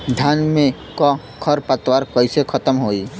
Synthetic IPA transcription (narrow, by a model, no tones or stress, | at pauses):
d̪ʱjaːnmẽ | kɔ | kʰəɾpət̪waɾkəɪsekʰət̪əmɦoːiː